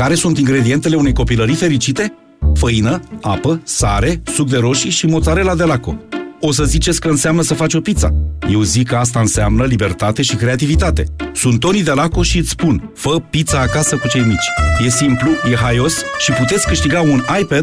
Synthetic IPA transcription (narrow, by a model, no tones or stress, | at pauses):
kaɾe̞sunt̪iŋɡɾe̞d̪ie̞nt̪ele̞une̞jko̞piləɾife̞ɾit͡ʃit̪e̞ | fəinəapəsaɾe̞suk̚d̪e̞ɾo̞ʃiʃimo̞t̪saɾe̞lad̪e̞lako̞̰o̞səzit͡ʃe̞sʲkəɨnseamnəsəfat͡ʃo̞pit̪sa̰je̞wzikːəas̬t̪aɨnseamnəlibe̞rt̪at̪e̞ʃikɾe̞at̪ivit̪at̪e̞̰sunt̪ːo̞nid̪elako̞ʃiɨt̪sʲspun | fəpit̪saːkasəkut͡ʃe̞jmit͡ʃʲje̞simplujeɦajo̞sʃiput̪et̪sʲkɨʃt̪iɡaunajped̪̥